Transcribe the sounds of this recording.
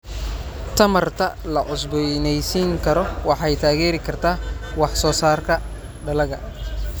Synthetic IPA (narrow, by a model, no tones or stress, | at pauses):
t̪ʰɐmɐrt̪ʰɐlɐʔʊsbɔjnɛjsiŋkʰɐɾɔwɑħɑjt̪ʰaːɣɛːɾɪkʰɐrt̪ʰaːwɑħsɔːsaːrkʰɐ | ɖɐlɐɣɐ̰